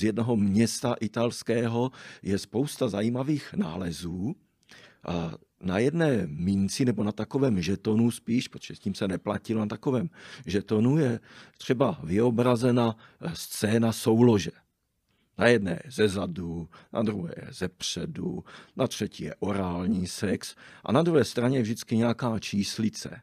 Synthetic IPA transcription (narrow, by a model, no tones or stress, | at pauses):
zjɛdnoɦomɲɛst̪aʔɪt̪alskɛːɦo̞jɛspo̞wst̪azajiːmaviːxna̰ːlɛzuː | najɛdnɛːmɪnt͡sɪnɛbonat̪ako̞vɛːmʒɛt̪o̞nuspiːʃpɾot̪oʒɛsciːmsɛnɛplacɪlonat̪akovɛːmʒɛt̪o̞nujɛt̪r̝̥ɛbavɪo̞bɾazɛnast͡sɛːnaso̞wlo̞ʒɛ | najɛdnɛ̰ːjɛzɛzaduna̰d̪ɾuɦɛ̰ːjɛzɛpr̥ɛdṵnat̪r̝̥ɛciːjɛ̰ʔo̞ɾaːlɲiːsɛksʔa̰nad̪ɾuɦɛːst̪ɾaɲɛvʒdɪt͡skɪɲɛakaːt͡ʃiːslɪt͡sɛ̰